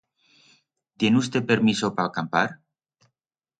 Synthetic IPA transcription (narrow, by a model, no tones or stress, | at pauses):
t̪je̞nust̪e̞peɾmisopaalkampa̰ɾ